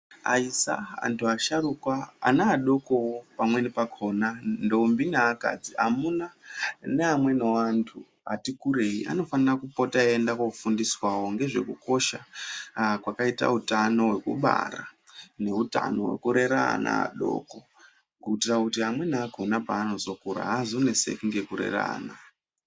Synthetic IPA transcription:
a̰isa̰a̰ntʰuaʃaɾukwa̰ːnaːɗo̞kowopamwe̞nipakʰo̞nando̞umbinaːka̰d͡zia̰munaneamwe̞nowantʰu | a̰tikuɾe̞iʔa̰no̞fanirakupo̞taendakokufundiswawo̞ŋɡe̞ʐe̞̰kuko̞ʃa | kwakaita̰utano̞we̞kṵɓa̰ɾane̞uta̰no̞we̞̰kuɾe̞ɾa̰na̰a̰ɗo̞̰ko̞ | ɡuitirakutiɦamwe̞naakʰo̞napaːno̞zo̞kuɾa̰ɦazunesḛkiŋɡe̞kuɾe̞̰ra̰ːna

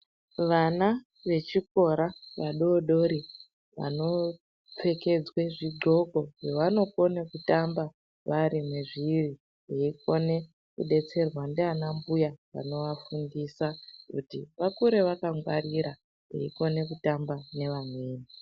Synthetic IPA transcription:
ʋana | ʋe̞t͡ʃiko̞ɾaʋaɗoɗo̞ɾi | ʋa̰no̞ | p͡fe̞ke̞d͡zweʐiɡ͡ǃʱo̞ɡo̞ɦeʋano̞ko̞nekutamba | ʋaɾimweʐiri | eiko̞ne̞ | kṵɗe̞t͡se̞rwandeanambujaʋa̰no̞ʋafundisakṵtḭʋakuɾe̞ʋakaŋɡwariɾa | ɦḛiko̞ne̞kutambane̞ʋamweːni

